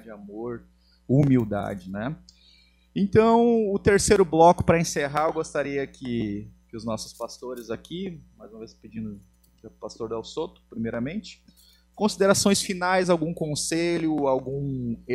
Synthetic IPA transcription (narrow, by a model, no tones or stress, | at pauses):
d͡ʒɪamoɾ | umiwd̪a̰d͡ʒɪnɛ | ẽnt̪ɐ̃w̃ʊt̪eɾsejɾʊblɔkʊ̥pɾɐẽseɦaewɡost̪aɾiɐkʰɪkɪʊznɔsʊ̥spast̪oɾɪzakimajzũmɐvesped͡ʒĩnd̪ʊ | past̪oɾd̪ɛwsot̪ʊ̥pɾimejɾɐmẽnt͡ʃɪ̥ | kõsid̪eɾasõj̃sfinajzawɡũkõseʎʊawɡũ